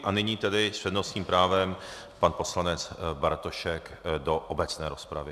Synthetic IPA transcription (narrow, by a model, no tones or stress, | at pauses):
ʔanɪɲiːt̪ɛdɪsprɛdnosɲiːmpɾaːvɛm | panpo̞slanɛt͡sbaɾt̪oʃɛkdoʔobɛt͡snɛ̰ːɾo̞spɾavɪ